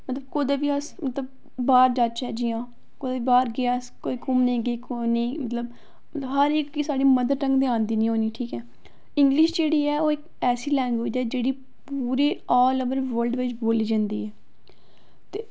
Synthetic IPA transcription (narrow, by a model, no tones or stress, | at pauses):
mət̪ləbkʊd̪eːʋiːəsmət̪ləb̚ | baːɾd͡ʒat͡ʃɛːd͡ʒiːãː | kod̪eːʋibaːɾɡɪaːəskoːiːkʊmnẽːɡeːkonĩːmət̪ləb̚ | mət̪ləbɦəɾɪkːiːsaːɽiːməd̪əɾɾə̃ŋɡd̪ɪãːnd̪iːnĩːɦoːniːʈʰiːkɛː | ɪ̃ŋɡlɪʃd͡ʒeːɽiːɛːoːɪk | ɛːsiːlɛːŋɡʋeːd͡ʒɛːd͡ʒeːɽiː | puːɾeːɔːləbəɾʋəlɖʋet͡ʃboːliːd͡ʒãːnd̪iːɛː | t̪eː